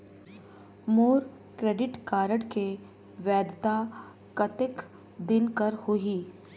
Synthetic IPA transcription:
moːɾ | kɾeːɖɪʈkaːɾəɽke | ʋɛːd̪t̪a | kɐt̪ɪk | d̪ɪnkəɾhʊɦiː

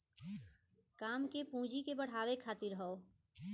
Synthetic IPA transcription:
kaːmkepũːd͡ʒikebəɽ̤aːwekʰaːt̪ɪɾɦɔo

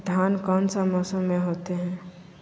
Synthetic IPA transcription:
d̪ʱjaːnkɔːnsəmɔːsəmmẽɦoːt̪eɦɛ̃ː

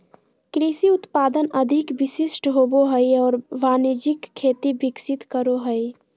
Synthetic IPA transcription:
kɾisiʊt̪paːd̪ənɐd̪ʱɪkʋɪsɪʃʈɦoːboɦəiɔːɾʋaːnid͡ʒɪkʰːeːt̪ibɪksɪt̪kəɾoɦəi

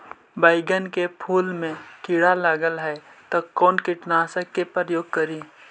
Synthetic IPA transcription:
baːɪɡənkepʰuːlmẽkɪɽaləɡəlɦɛt̪okɔːnkɪʈnaːsəkːepɾəjoːɡ̚kəɾi

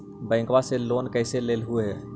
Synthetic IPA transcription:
bə̃ɪ̃ŋkwaselonkəɪselelɦueɦɛ

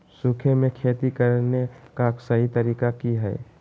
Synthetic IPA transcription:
sʊkʰemẽkʰeːt̪ikəɾnekasəɦit̪əɾiːkakiɦɛ̰ː

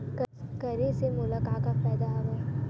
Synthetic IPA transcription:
kkɐɾesemʊləkaːkapɛːd̪aɦoʋa

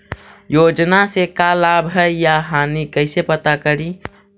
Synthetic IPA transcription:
joːd͡ʒnasekalaːbɦɛjaɦaːnikəɪsepət̪akəɾi

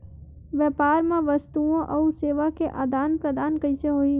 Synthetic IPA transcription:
ʋjəːpaːɾmẽʋəst̪uõʔɐuseːʋakeʔaːd̪aːnpɾəd̪aːnkəɪseɦoːiː

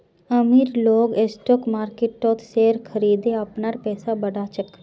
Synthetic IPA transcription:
əmiɾloːɡesʈoːkmaːɾkeʈːoːt̪seːɾkʰəɾiːd̪eɐpnaɾpɛːsabɐɽaːt͡ʃək

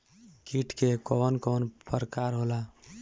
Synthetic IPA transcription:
kiʈkekɔnkɔnpəɾkaɾɦola

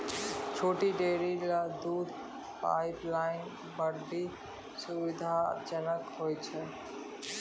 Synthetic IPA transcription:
t͡ʃʰoːʈiɖeːɾilad̪uːd̪ʱ | pa̰ːɪplaːɪn | bəɖi | suʋɪd̪ʱad͡ʒənəkɦoːjt͡ʃʰɛ

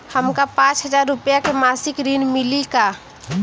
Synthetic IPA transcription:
həmkapãːt͡ʃɦəd͡ʒaːɾːʊpjakemaːsɪkɾinmɪlika

